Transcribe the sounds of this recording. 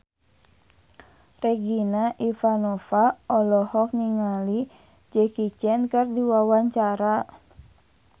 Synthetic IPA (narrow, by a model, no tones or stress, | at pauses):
rɛɡinaʔifanɔfaɔlɔhɔk̚niŋali | d͡ʒɛkit͡ʃɛnkɨrdiwawaɲt͡ʃaɾa